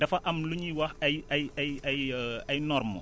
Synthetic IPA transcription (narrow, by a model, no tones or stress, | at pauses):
dɐfɐʔɐmluɲiwɐxɐjɐjɐjɐjɐjnɔrmɔ̰